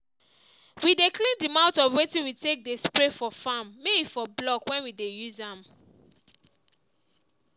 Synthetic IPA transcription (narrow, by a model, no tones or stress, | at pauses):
wideklĩndimãʊ̃tɔfwetĩnwitek̚despɹefɔfamːewifɔblɔkwɛ̃nwidejuzãm